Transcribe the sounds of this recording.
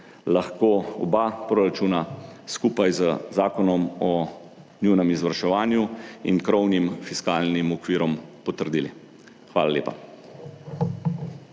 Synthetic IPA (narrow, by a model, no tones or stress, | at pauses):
laxkoːɔ̰bapɾoːɾat͡ʃuːnaskuːpajzəzaːkɔnɔmɔ | njunɛmizʋəɾʃɛʋaːnjuḭnkɾɔwnimfiskaːlnimɔkʋiːɾɔmpɔt̪əɾd̪iːlḭ | xʋaːlalḛːpa̰